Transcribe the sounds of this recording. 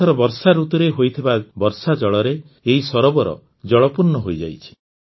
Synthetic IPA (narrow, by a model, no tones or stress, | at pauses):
ɔɾɔbɔɾsaɾut̪ɔɾeɦojt̪ʰibabɔɾsad͡ʒɔɭɔɾe | eɦisɔɾɔbɔɾɔ̰ | d͡ʒɔɭɔpuɾnɔɦojd͡ʒa̰jt͡ʃʰi̥